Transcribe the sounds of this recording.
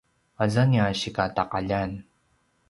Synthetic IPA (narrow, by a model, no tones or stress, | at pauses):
azanjaɕikataqaʎan